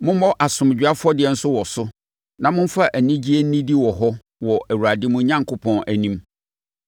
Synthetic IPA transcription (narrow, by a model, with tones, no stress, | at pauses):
mʊ̃˦m˦mɔ˦ʔa˨sʊ̃˨m˨d͡ʑᶣa˦fʊ˦ɔ˦dɪ˨ɛ˨n̩˦sʊ˦wɔ˨sʊ˦ | nã˨mʊ̃˦m˦fa˦˨ʔæ˨nĩ˦d͡ʑi˦e˦n̩˦nĩ˦di˦wɔ˨ɦɔ˦ | wɔ˨ʔæ˨wu˨ɾa˨dɪ˦mʊ̃˦ɲã˦ŋkʰʊ˦pʰɔ̃˦næ˨nĩ˦m